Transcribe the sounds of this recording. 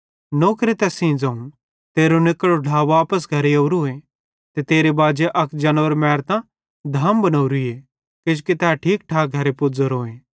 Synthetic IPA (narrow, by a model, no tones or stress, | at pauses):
noːkɾet̪ɛːsĩːd͡zãːũ | t̪eːɾonɪkːəɽoɖʱaːʋaːpəs̬ɡʱɐɾeɐːɾoːẽ | t̪et̪eːɾebaːd͡ʒeʔɐkd͡ʒɐnʋəɾmɛːɾt̪ã | d̪ʱaːmbɐnɐːɾie | kɪd͡ʒukit̪ɛaʈʰiːk̚ʈʰaːɡʱɐɾepʊd͡zəɾoːẽː